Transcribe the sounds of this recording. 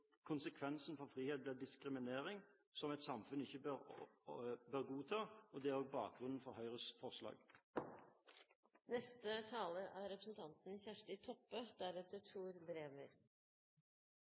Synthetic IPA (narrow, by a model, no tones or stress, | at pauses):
kʰʊnsəkʰʋɛnsn̩fɔʁfʁiːheːt̪̚bleːd̪ɪskʁɪmɪneːʁɪŋ | sɔmɛɪt̪sɑmfʉnɪçːəbøʁ | bøːʁɡuːt̪ʰɑːɔd̪ɛæʁɔːɡ̚bɑːk̚ɡʁʉnn̩fɔʁhœʏʁəsfɔʁslɑ̰ːɡ | nɛst̪ət̪ʰɑːləʔæɾɾɛpɾəsn̩t̪ʰɑnt̪n̩iːsæʂʈɪt̪ʰɔpːəd̪æɾɛt̪ːəʈʰuːɾbɾeːʋəɾ